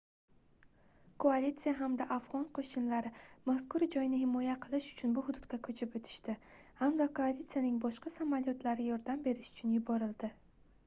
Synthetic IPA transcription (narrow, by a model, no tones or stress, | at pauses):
kʰoalʲit̪sijaɦamd̪aʔafʁɒnqʰoʃɪnlaɾɪmaskʊɾd͡ʒɒjnɪɦɪmɒjaqʰɨlˠɪʃʊ̥t͡ʃʰʊnbʊhʊd̪ʊd̪̚kʲakʰɵt͡ʃʰɪpɵt̪ʰɪ̥ʃt̪ɪ | hamd̪akʰoalit̪sijanɪŋbɒʃqʰɑsamaljot̪ʰlaɾɪjɒɾd̪ambe̞ɾɪʃʊ̥t͡ʃʰʊnjʊbɒɾɪld̪ɪ